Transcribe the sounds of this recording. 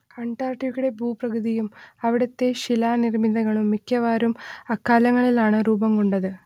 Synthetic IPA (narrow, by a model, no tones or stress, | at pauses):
kɐɳʈaːrʈikuɽe̞bʱuːprɐkuðijumɐʋiɽɐt̪ːe̞ɕilaːnirmid̪ɐŋɐɭumːikʲːɐʋaːɾumɐkːaːlɐŋːɐɭilaːɳɨruːbɐmkuɳɖɐðɨ